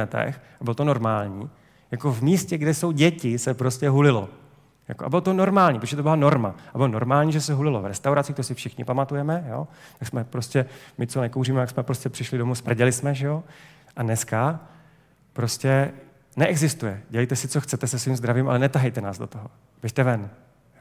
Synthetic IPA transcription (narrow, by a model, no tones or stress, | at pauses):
ɛt̪ɛ̰xabɪlot̪ono̞ɾmaːlɲiː | jako̞vmiːscɛɡdɛso̞wɟɛcɪsɛpɾo̞scɛɦulɪlo̞̰ | ja̰koʔa̰bɪlot̪ono̞ɾmaːlɲiːpɾoʒɛt̪obɪlano̞ɾmaabɪlono̞ɾmaːlɲiːʒɛsɛɦulɪlo̰vɾɛst̪awɾat͡sɪkt̪osɪfʃɪxɲɪpamat̪ujɛmɛjo̞̰ːt̪aksmɛpɾo̞scɛmɪt͡sonɛkowriːmɛjaksmɛpɾoscɛpr̝̥ɪʃlɪdo̞muspr̩ɟɛlɪsmɛʒɛjo̞ | ʔanɛska | pɾo̞scɛ | nɛʔɛɡzɪst̪ujɛɟɛlɛjt̪ɛsɪt͡so̞xt͡sɛt̪ɛsɛsviːmzd̪ɾaviːmʔa̰lɛnɛt̪aɦɛjt̪ɛnaːzdo̞t̪oɦo | vɛʃt̪ɛvɛn